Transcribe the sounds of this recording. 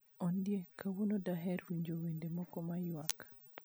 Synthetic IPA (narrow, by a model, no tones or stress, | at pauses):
ɔndjekawonodaɦɛɾwiɲd͡ʒowendemɔkɔmajwak